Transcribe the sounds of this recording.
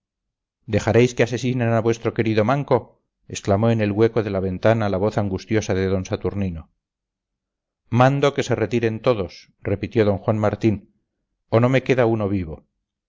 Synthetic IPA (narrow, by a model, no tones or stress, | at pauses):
d̪e̞xaɾejskease̞sinenaβwe̞st̪ɾo̞ke̞ɾiðo̞maŋko̞ | e̞sklamo̞ene̞lɣwe̞ko̞ðelaβe̞nt̪analaβo̞θaŋɡust̪jo̞saðe̞ðo̞nsat̪uɾnino̞ | mãnd̪o̞ke̞se̞re̞t̪iɾe̞nt̪o̞ðo̞s | re̞pit̪jo̞ðo̞ŋxwanmaɾt̪in | ono̞me̞ke̞ðauno̞βiβo̞